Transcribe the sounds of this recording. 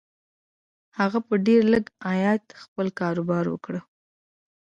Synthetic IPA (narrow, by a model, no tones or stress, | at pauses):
haɣapəɖeɾləɡajɑt̪xpəlkɑɾubɑɾwə̰kɽə